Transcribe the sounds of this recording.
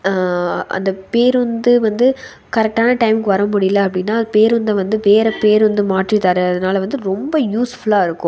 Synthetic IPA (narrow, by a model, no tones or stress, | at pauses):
ʔɐ̰nd̪ɐpeːɾʊnd̪ɯʋɐnd̪ɯ | kɐɾɛk̚ʈaːnɐʈɐɪmkːɯʋɐɾɐmʊɽɪjɪlːɐɐpːɐɽɪnːaːpeːɾʊnd̪ɐʋɐnd̪ɯʋeːɾɐpeːɾʋɐnd̪ɯmaːʈrɪt̪aːɾɯɐðɐnaːlɐʋɐnd̪ɯɾɔmbɐjuːsfɐɭaːɪɾɯkːʊ̃